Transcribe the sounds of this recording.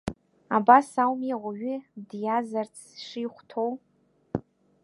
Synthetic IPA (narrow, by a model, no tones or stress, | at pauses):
abasawmeʁʷaɥɪdjazart͡sʰʂiχʷtʰow